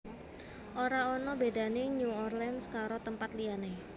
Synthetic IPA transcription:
ʔoɾaonɔbedaneɲuɔrlɛnskaɾot̪əmpat̪liane

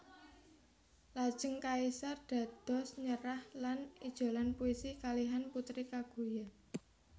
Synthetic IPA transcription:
lad̥ʒ̥ə̤ŋkaisard̪̥a̤d̪̥ɔ̤sɲəɾahlanid̥ʒ̥o̤lanpuisikaliɦanput̪ɾikaɡ̥ṳja

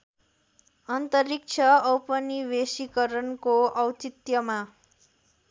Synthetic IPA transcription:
ʌnt̪ʌɾik̚t͡sʰʌʌwpʌnibesikʌɾʌnkoʔʌwt͡sit̪jʌma

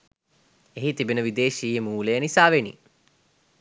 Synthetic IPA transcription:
eɦit̪ibinəʋid̪eːʃiːəmuːləjənisaːʋenḭ

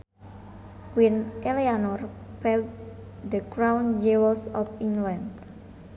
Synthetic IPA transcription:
winʔelianɔr | pɛld | dəkɹãwnd͡ʒewəlsɔpiŋlãnd

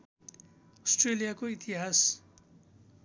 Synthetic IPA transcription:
ʌsʈrelijakoit̪iɦas

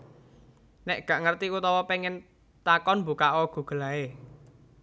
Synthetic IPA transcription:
nɛʔɡ̥ä̤ʔŋərt̪iut̪ɔwɔpeŋɛn | t̪akɔnmbukaʔɔɡ̥ṳɡ̥ə̤lae

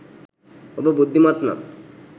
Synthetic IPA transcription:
obebud̪ʱːimat̪na̰m

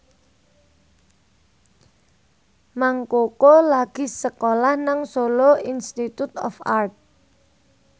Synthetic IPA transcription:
maŋkokolaɡ̥i̤səkolahnaŋsoloinst̪it̪ut̪ɔ̰fart̪̚

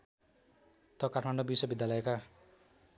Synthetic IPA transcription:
t̪ʌkaʈʰmaɳɖobiswʌbid̪ʱjalʌeka

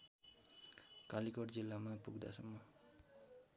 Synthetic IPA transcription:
kalikʌrd͡zilːamapuɡd̪a̰sʌmːʌ

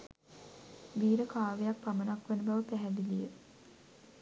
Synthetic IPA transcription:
ʋiːɾəkaːʋejak̚pramənakʋenəbaʋəpæɦɛd̪ilijə

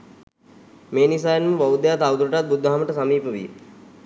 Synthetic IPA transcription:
meːnis̬aːjenməʋaʋud̪ejat̪awt̪uɾəʈat̪̚bud̪ʱːaɦaməʈəsamiːpəʋḭj

